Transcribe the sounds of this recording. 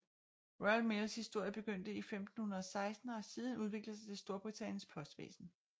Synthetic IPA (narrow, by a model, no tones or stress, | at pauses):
ʁɒlmelshisd̥o̝ɐ̰jəb̥e̝ɡ̥øn̰d̥əifemd̥n̩hunɐɒ̽sɑ̈ɪsd̥n̩ɒ̽siːð̞ˠn̩uð̞ˠʋe̝ɡ̥ləsɑ̈ɪt͡sʰe̝sd̥o̝ɐb̥ʁit͡sʰænjən̩spʰɒ̽sd̥ʋḛːsn̩